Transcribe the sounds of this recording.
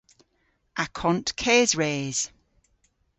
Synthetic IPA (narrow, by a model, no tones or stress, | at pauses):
ʔakʰɔ̃ntkʰɛːzɹeːz̥